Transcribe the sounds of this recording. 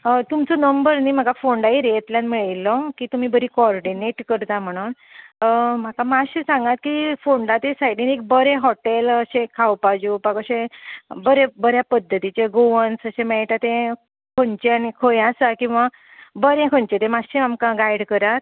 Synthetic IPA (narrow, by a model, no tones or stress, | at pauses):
t̪umt͡sɔnəmbəɾniːm̤aɡafoɳɖaiɾet̪ljanmiɭilːɔkiːt̪um̤iːbəɾikɔɾɖineʈkəɾt̪am̤əɽ̃uːn | m̤akamaɕisãŋɡat̪kifoɳɖat̪esajʈinek̚bəɾeɦɔʈeləɕẽkʰawpad͡ʑupakəɕẽbəɾebəɾjapəd̪ʱːət̪it͡ɕeɡoʋənsəɕẽmɛɭʈat̪ẽ | kʰont͡ɕeanikʰojasakĩw̃ʋa | bəɾẽkʰoɲt͡ɕet̪emaɕeamkãɡajɽkəɾat̪